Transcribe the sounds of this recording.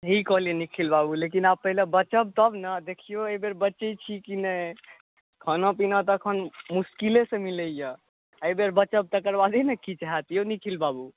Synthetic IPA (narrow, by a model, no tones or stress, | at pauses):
ɦikɔɦlienikʰilbabulek̬inabpːəɦilebət͡ʃəb̚t̪əbnəd̪ekʰijoejbeɾbətːt͡ʃət͡ʃʰikinə | kʰənõpinət̪ːkʰənmuskilesẽmiləjə | əjbeɾbət͡ʃəb̚t̪əkəɾbad̪ʱinəkit͡ʃaɦat̪ijonikʰilbabu